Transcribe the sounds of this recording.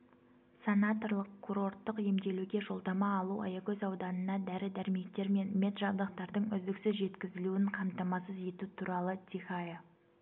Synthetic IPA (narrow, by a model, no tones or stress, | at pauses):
senat̪o̞rlˠəqkʰːuɾo̞rt̪ːəqje̞md̪e̞luɡʲe̞ʒo̞lˠd̪ɑmɑːlˠuɑ̰jɑkʲɵzɑwd̪ɑnənɑd̪æɾɪd̪æɾɪme̞kt̪e̞ɾme̞nmʲe̞t̪ʒɑbd̪ɑq̚t̪ɑɾd̪əɴʏzd̪ɪksɪzʒe̞t̪kʲɪzɪluɪɴqʰɑmt̪ɑmɑsəze̞t̪ut̪ʰuɾɑlˠət̪ʲʰixaje